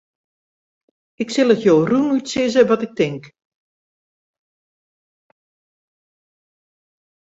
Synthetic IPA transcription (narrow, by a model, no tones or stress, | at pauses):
ɪksɪlˠətjoːrunytsɪzəʋɔtɪk̚tɪŋk